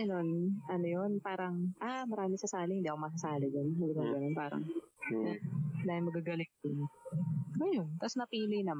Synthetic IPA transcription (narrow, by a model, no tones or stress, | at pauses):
ɐnonʔɐnojonpaːɾɐŋʔamɐɾaːmɪsɐsaːlɪhɪnd̪iːʔɐkomɐsɐsaːlɪd͡ʒonhɪnd̪inoŋɡɐnonpaːɾɐ̰ŋ | laːjɪŋmɐɡaɡɐlɪŋ̚d̪ɪn | ʔɐjont̪ɐsnɐpiːlɪjnɐm